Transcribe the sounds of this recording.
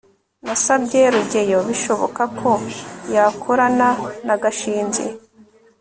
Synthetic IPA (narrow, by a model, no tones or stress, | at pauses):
nasabɟeɾuɟe̞jo̞βiʃo̞βo̞̰kakʰo̞jakʰoɾananaɡaʃiːnzḛ